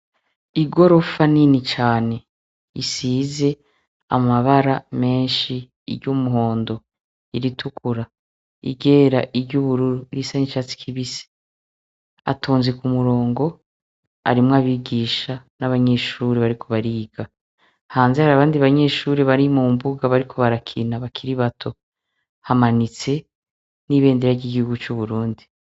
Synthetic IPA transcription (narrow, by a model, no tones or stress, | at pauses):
iɡo̞ɾo̞faninit͡ʃaːne̞ | isiːze̞ | a̰maβaɾame̞ːnʃḭː | ɾɟuːmuɦo̞ːndo̞ | iɾitʰukʰuɾa | ḭɡe̞ːɾaʔiɾɟuːβuɾuɾuɾisaniʃat͡si̥kʰiβise̥ | a̰tʰuːnzekumuɾo̞ːŋɡo̞ | a̰ɾimŋaβiɡiːʃanaβaɲe̞ːʃuɾeβaɾikʰo̞βaɾiːɡa | haːnzehaɾaβaːndiβaɲe̞ːʃuːɾeβaɾimuːmbuɡaβaɾikʰo̞βaɾakʰinaβakʰiɾiβatʰo̞ | hamanit͡se̞ | niβe̞ːndeɾaɟiɡihuɡut͡ʃuβuɾuːndi